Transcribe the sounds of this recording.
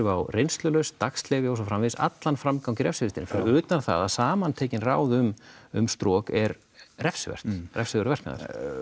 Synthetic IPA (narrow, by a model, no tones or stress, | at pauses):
vawrejnst̪lʏlœɥst̪akst̪lɛːvɪowsɔfɾamvɪsa̰t̪lanfɾamkawcɪɾɛfsfɪst̪ɪnfɾʏːt̪anθa̰ða̰ðsaːmant̪ʰeːjcɪnra̰ːwðʏmʏ̰mst̪ɾɔːkɛɾ | rɛfsvɛ̰r̥t̪rɛfsɪʏɾvɛrkna̰ða̰ɾ̥